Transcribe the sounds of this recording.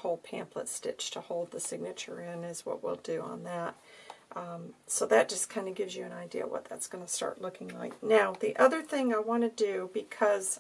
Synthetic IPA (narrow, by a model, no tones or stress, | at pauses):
hoʊlˠpʰæ̰̃mplə̰tstɪt͡ʃtʰəhoʊlˠd̪̚ðɨsɪɡ̚nɨt͡ʃə̰˞ɪ̃nɪzwʌ̰ʔwḭlˠdɨə̰̃nðæt̚ | soʊðɨt̚d̥ʒ̥ʌskʰãɪ̃ndɨɡɪvzjɨɨ̃ñaɪdḭɨ̰wʌ̰t̪̚ðɨ̰tsɡ̥ʌnɨstɑ̰ɹʔˡlʊkɪ̃ŋlaɪk̚naʊðiʔʌðə˞θɪ̃ŋaɪwɑ̃nɨdɨbɨkʰʌz̥